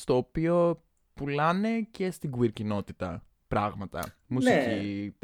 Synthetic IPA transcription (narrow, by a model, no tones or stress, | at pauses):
st̪o̞ːpio̞ | pulɐne̞ce̞st̪iɡuiɾcino̞t̪it̪ɐ̰ | pɾɐɣmɐt̪ɐ̰ | musici